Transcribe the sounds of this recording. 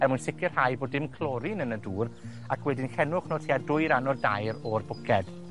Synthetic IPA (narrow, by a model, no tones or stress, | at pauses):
ɛrmuʊɨnsɪkɪrhajboːdɪmkʰlˠɔːɾinənəduːr | akʰwɛdɪnkɛnʊχnoːtʰiːadʊɨɾanɔdajɾɔrbʊkʰɛd̥